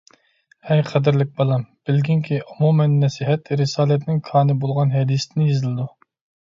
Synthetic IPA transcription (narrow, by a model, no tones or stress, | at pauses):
hɛjqʰæd̪ɪɾlɪk̚ʲbɑlˠɑmb̥ɪlɡʲiŋkʲʰiʔumumɛnːɛsiɦɛt̪ɾɪsɑːlˠɛt̪nɪŋkʰɑːnɨbolˠʁɑnɦɛd̪ist̪ɪnɪjezɪlɨd̪u